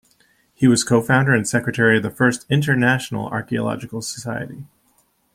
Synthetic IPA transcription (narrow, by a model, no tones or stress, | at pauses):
hiwʌz̥kʰoʊfãʊ̃ndə˞ɨ̃nsɛkɹɨtʰɛɹiʌvðəfɜ˞stɪ̃ntə˞næʃn̩l̩ˠɑ̰ɹkiə̰lɑ̰d͡ʒɨkl̩ˠsə̥saɪɨ̰ɾi